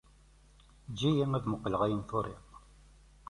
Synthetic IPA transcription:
d͡ʒːijiŋæðməqːləʁæjənθoɾˤḭq

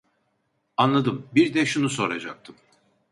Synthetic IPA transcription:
anlˠad̪ɯmbiɾd̪ɛʃunuso̞̰ɾa̰d͡ʒa̰k̚t̪ʰɯm

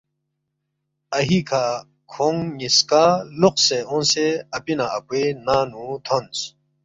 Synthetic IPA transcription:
ɐɦikʰa | kʰoŋniskaluqseõnseɐpinaɐpwenaːnũt̪ʰont͡s

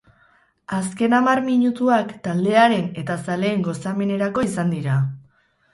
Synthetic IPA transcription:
aske̞namaɾmiɲut̪uakt̪ald̪e̞aɾe̞ne̞t̪asale̞ːŋɡo̞same̞ne̞ɾako̞isand̪iɾa

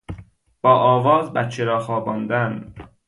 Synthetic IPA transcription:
b̥ɒːʔɒːvɒːzbæt̪t͡ʃʰːeɾɒːxɒːbɒːnd̪æn

